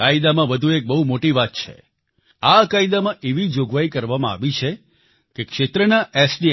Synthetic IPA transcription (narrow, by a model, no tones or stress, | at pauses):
aid̪amãʋəd̪ʱuek̚bəɦumoʈiʋat̪̚t͡ʃʰḛ | akaid̪amãʔeʋid͡ʒoɡʋaikəɾʋamãa̰ʋit͡ʃʰe | kekʃet̪ɾənaʔesɖi